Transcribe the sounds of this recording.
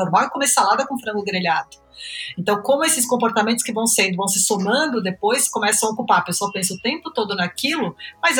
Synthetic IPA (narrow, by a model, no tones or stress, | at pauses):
ɐɾvakõmɪsalad̪ɐkõfɾɐ̃ŋɡʊɡɾeʎad̪ʊ̥ | ẽnt̪ɐ̃w̃kõmʊesɪskõpoɾt̪amẽnt̪ʊskɪvɐ̃w̃sẽnd̪ʊvɐ̃w̃sɪsomɐ̃nd̪ʊd̪epojskomɛsɐ̃w̃ɐokupaɾpesɐpẽsʊʊt̪ẽmpʊt̪od̪ʊnakilʊmɐz